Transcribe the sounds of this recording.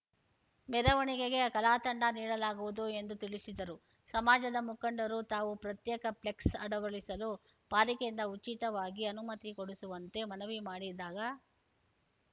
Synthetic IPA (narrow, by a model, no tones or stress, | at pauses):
mɛɾɐʋɐɳiɡeɡe̞kɐlaːt̪ɐɳɖɐniːɽɐlaːɡuʋud̪ue̞nd̪ut̪iɭisid̪ɐɾu | sɐmaːd͡ʒɐd̪ɐmukɐɳɖɐɾut̪aːʋupɾɐt̪jɛːkɐpleksɐɽɐʋɐɭisɐlu | paːɾikeind̪ɐut͡ʃit̪ɐʋaːɡiɐnumɐt̪ikoɽisuʋɐnt̪e̞mɐnɐʋimaːɽid̪aːɡɐ